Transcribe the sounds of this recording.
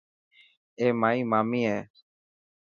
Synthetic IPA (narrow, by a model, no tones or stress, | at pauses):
eːmaːiːmaːmiːɦeː